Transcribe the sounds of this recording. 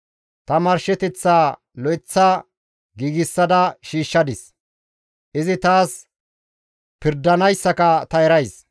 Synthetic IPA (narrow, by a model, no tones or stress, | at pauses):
t̪ɐmɐɾʃɛt̪ɛt͡sːaː | lɔɪt͡sːa | ɡiːɡɪsːɐd̪ɐʃiːʃːɐd̪ɪs | ʔɪzɪt̪aːs | pɪɾd̪ɐnɐjsːɐkɐt̪ɐɛɾɐjs